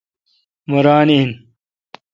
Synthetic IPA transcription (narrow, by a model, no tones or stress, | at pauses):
muɾaːnin